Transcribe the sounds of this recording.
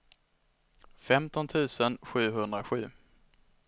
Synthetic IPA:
fɛmt̪ɔnt̪ʰʉ̟ːsənɧʉ̟ːɦɵnd̪ɾaɧʉ̟ː

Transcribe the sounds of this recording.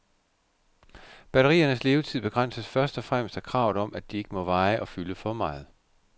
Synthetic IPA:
b̥æɾɐʁḭːɐnəsle̝ːʊt͡sʰiðˠb̥e̝ɡ̥ʁɑn̰səsfɶɐsd̥ɒ̽fʁam̰sd̥ækʰʁɑ̈ʊ̰ð̩ˠɒ̽mʔæd̥ie̝ɡ̥əmɒ̽ʋɑ̈ɪʔɒ̽fyləfɒmɑ̈ɪð̩ˠ

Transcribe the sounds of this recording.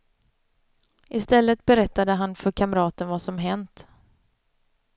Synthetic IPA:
ʔɪst̪ɛlːət̪bɛɾɛt̪ːad̪əɦanfœɾkʰamɾɑːt̪ənvasɔmɦɛnt̪

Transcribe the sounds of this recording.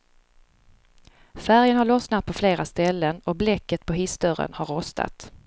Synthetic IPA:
fæɾjənhaɾɭɔsnat̪̚pʰɔfleːɾast̪ɛlːənɔblɛkːət̪̚pʰɔɦɪsd̪œɾə̰nhaɾːɔst̪ʰa̰t̪

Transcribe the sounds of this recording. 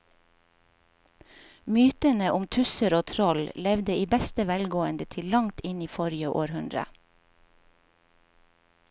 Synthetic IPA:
myːt̪ənəʔʊmt̪ʰʉsəɾoːt̪ʰɾɔllɛʋd̪əiːbɛst̪əʋælɡoːənd̪ət̪ʰɪllɑŋt̪ɪniːfɔɾɪjəʔoːɾhʉnd̪ɾə̰

